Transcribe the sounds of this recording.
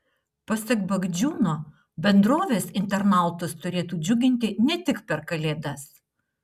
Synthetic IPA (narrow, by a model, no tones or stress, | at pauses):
pɐsʲɛkbɐɡd͡ʒʲuːnoː | bʲɛnd̪ɾoːʋʲeːsɪnʲt̪ʲɛɾnɑˑlˠt̪ʊst̪ʊɾʲeːt̪uːd͡ʒʲʊɡʲɪnʲt̪ʲɪnʲɛt̪ʲɪkpʲɛɾkɐlʲeːd̪ɐs